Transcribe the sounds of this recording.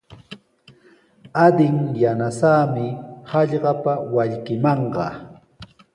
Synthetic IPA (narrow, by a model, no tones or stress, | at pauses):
ad̪ɪŋjanasaːmɪhɑʎɢɑpawaʎkɪmɑɴɢɑ̰